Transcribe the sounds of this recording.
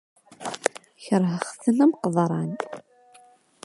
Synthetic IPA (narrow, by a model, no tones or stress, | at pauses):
çəɾˤɦəχθənæmqəðˤɾˤɑn